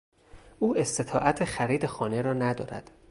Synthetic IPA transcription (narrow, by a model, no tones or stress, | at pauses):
ʔuːe̞st̪e̞t̪ʰɒːʔæt̪ʰexæɾiːd̪exɒːne̞ɾɒːnæd̪ɒ̰ːɾæ̰d̪̥